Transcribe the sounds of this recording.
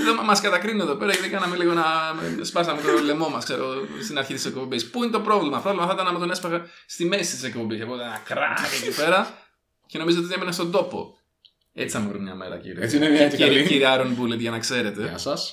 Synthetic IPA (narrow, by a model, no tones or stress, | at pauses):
ðommɐskɐt̪ɐkɾinue̞ðo̞pe̞ɾɐʝɐt̪ikɐnɐmeliɣo̞nɐspɐs̬ɐmet̪olemo̞mɐskse̞ɾost̪inɐɾçit̪isek̚po̞mbispuinet̪o̞pɾo̞vlimɐft̪ovlimɐθit̪ɐnɐmet̪o̞nespɐɣɐst̪ime̞si̥t̪isekpombisɐpot̪nɐkɾɐ̰tiet̪ipe̞ɾɐ | ce̞no̞mizoot̪iiemenest̪o̞nd̪o̞po̞̰ | ḛt͡si̥θɐmeɾumɲɐ̰mḛɾɐ̰cḭɾiet͡sineviɐt̪eiiɾiɐɾonbulet̪ʝɐnɐkse̞ɾe̞t̪e̞ɐsɐs